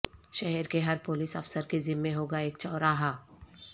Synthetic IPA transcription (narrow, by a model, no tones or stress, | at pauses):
ʃɛɦɛɾkeɦɐɾpʊlɪsɐfsəɾkezɪmːẽɦoːɡaeːk̚t͡ʃɔːɾaːɦaː